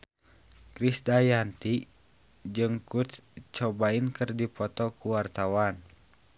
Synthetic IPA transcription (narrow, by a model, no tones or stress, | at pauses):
kɾisdajant̪i | d͡ʒɨŋkut̪t͡ʃɔbainkɨrdipɔt̪ɔkuwart̪awan